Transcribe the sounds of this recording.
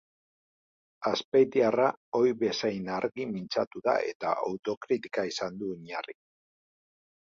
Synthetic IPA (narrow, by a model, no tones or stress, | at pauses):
aspejt̪iarao̞jβe̞sajnaɾɣimint͡sat̪uða̰e̞̰t̪a̰a̰wt̪o̞kɾit̪i̥kaisand̪uiɲari